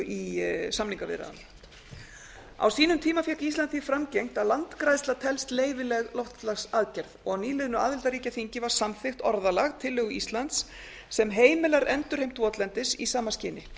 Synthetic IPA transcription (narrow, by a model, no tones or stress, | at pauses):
isamniŋkavɪ̰ɾa̰a̰n | a̰wsiːnʏmt̪ʰiːmafjahkist̪lant̪ʰifɾamcejŋ̥t̪alant̪kɾajst̪at̪ʰɛlst̪leːjvɪlɛɣlɔwht̪lasaðcɛɾðɔɣawniːlɪðʏnʏaːðɪlt̪aɾiːcaθiɲcɪvaɾ̥samθɪxt̪ɔɾðalaɣt̪ʰɪlːʏɣʏist̪lant̪sː | ɛmɦeːjmɪlaɾɛnt̪ʏɾ̥hejmt̪ʰvɔt̪lɛnt̪ɪsisaːmascɪːnɪ